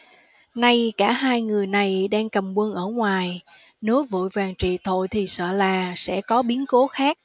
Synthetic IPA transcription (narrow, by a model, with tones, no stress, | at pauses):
na˧jkaː˧˩ɦaː˧jŋɨ˨˩əjna˨˩jɗaː˧ŋkə˨˩mkwə˧nʔəː˧˩ŋwaː˨˩j | ne˨˦wvṵ˧˨jvaː˨˩ŋt͡ɕḭ˧˨t̪ʰo̰˧˨jt̪ʰi˨˩sə̰ː˧˨laː˨˩sɛ̰˧˥kɔ˨˦ɓi˨˦ənko˨˦xaː˦˥k̚